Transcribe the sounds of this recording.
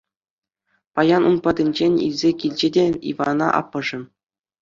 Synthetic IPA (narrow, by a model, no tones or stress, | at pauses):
pɑjɑnunpɑdʲɘ̆nʲd͡ʑenʲḭlʲzʲekʲilʲd͡ʑedʲeḭvɑnɑ̰ʔɑ̰pːɤ̆ʐɘ̆